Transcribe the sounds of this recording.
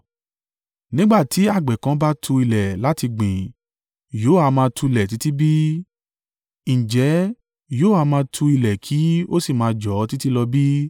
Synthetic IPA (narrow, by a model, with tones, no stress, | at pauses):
nĩ˦ɡ͡ba˦˨ti˨˦a˦˨ɡ͡bɛ˨kã˧˦ba˦tʰũ˧i˧˨lɛ˨la˨˦ti˧ɡ͡bĩ˨ | jo˨˦˨a˧mãː˧tʰũ˧i˧lɛ˨t̬i˨˦ti˦bi˦ | ñ̩˨d͡ʒɛ˨˦ | jo˨˦˨a˨˧mãː˧tʰũ˧i˧˨lɛ˨kʰi˨˦o˦si˦˨mãː˨˧d͡ʒɔ˨˦ti˦ti˦lɔ˧bi˦